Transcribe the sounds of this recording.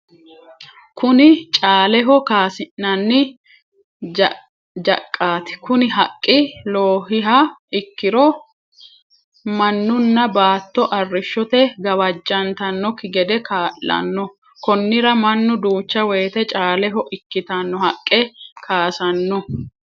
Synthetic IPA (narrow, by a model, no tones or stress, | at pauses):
kʊnɪt͡ʃʼaːlɛɦɔkaːsɪnːɐnːɪ | d͡ʒɐkʼːaːt̪ɪ̥kʊnɪɦɐkʼːɪloːhɪɦɐɪkːɪɾɔ | mɐnːʊnːɐbaːt̪ːɔʔɐrːɪʃːɔt̪ɛɡɐwɐd͡ʒːɐnt̪ɐnːɔkːɪɡɛd̪ɛkaːʔːɐ̰nːɔ | kɔnːɪɾɐmɐnːʊd̪uːt͡ʃːɐweːt̪ɛt͡ʃʼaːlɛɦɔʔɪkːɪt̪ɐnːɔhɐkʼːɛkʰaːsɐnːɔ